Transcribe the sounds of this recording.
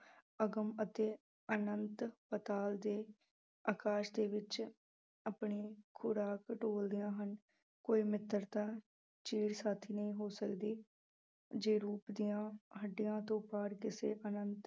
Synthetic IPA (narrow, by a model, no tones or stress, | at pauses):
əɡəmət̪eː | ənənt̪pət̪aːld̪eː | aːkaːʃd̪eːʋɪt͡ʃ | aːpɳeːkʰʊɾaːkʈoːld̪ɪjãːɦən | koːiːmɪt̪ːəɾt̪ãː | t͡ʃiːɾsaːt̪ʰiːnəĩːɦoːsəkd̪iː | d͡ʒeːɾuːpd̪ijãːɦəɖijãːt̪õːpaːɾkɪseːʔənənt̪